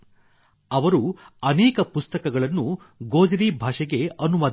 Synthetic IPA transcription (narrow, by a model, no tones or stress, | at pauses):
ɐʋɐɾuɐnɛːkɐpust̪ɐkɐɡɐɭɐnːu | ɡoːd͡ʒɐɾiːbʱaːʂɛɡe̞ɐnumɐd̪